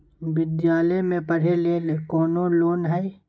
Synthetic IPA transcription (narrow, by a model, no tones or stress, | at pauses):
bɪd̪jaːləjmẽpɐɽ̤eleːlekɔːnoloːnɦɛ